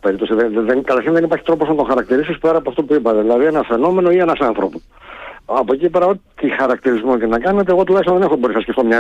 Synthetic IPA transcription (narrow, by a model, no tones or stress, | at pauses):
pe̞ɾip̚t̪o̞siðeðenkɐt̪ɐɾçinðe̞nipɐɾçit̪ɾo̞posɐnt̪o̞xɐɾɐk̚t̪iɾisispeɾɐpoɐft̪opuipɐt̪eðilɐðienɐfe̞no̞me̞no̞ienɐsɐnθɾo̞po | ɐpocipe̞ɾɐo̞t̪ixɐɾɐkt̪iɾizmot̪enɐkɐnet̪e̞ːɣo̞t̪̬ulɐçist̪ɐðe̞ne̞xoboɾisnɐsceft̪omɲɐ